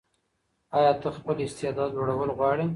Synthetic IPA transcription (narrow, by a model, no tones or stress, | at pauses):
ɑjɑt̪əxpəlɪst̪ɪɑd̪ɑd̪̚d͡ʒoɽawəlɣwɑɽi